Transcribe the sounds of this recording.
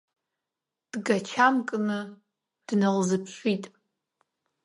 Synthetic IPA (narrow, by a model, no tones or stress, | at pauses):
d̥ɡat͡ʃʰamkʼnɨ | d̥nalzɨpʰʃʷitʼ